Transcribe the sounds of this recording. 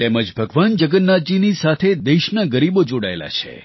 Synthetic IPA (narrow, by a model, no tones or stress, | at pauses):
t̪eməd͡ʒbʱəɡʋand͡ʒəɡənːad͡ʒinisat̪ʰed̪eʃnaɡəɾibod͡ʒoɽa̰ḛla̰t͡ʃʰḛ